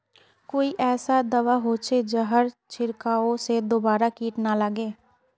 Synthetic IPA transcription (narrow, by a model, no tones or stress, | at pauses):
koːiʔɛːsad̪ɐʋaɦoːt͡ʃed͡ʒəɦəɾt͡ʃɪɾkaosed̪oːbaːɾakiːʈnaləɡeː